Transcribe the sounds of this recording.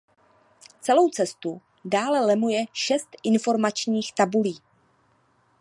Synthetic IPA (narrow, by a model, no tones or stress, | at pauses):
t͡sɛlo̞wt͡sɛst̪u | daːlɛlɛmujɛʃɛst̪ʔɪnfo̞ɾmat͡ʃɲiːxt̪abuliː